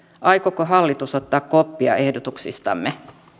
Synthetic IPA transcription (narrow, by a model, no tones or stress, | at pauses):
ʔɑjkokoɦɑlːit̪usot̪ːɑːkkopːiɑ̰ʔe̞hdot̪uksḭst̪ɑ̰mːe